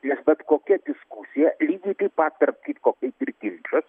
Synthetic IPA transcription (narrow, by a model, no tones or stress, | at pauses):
nʲɛsbɐt̪koːkʲɛd̪ʲɪskusʲɪjɛlʲiːɡʲit̪ipat̪ːɐrp̚kʲit̪koːkʲɛt̪ʲɪɾkʲɪnʲt͡ʃɐs